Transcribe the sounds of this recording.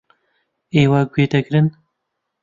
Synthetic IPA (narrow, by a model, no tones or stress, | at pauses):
eːwaːɡweːd̪ɐkɾɨn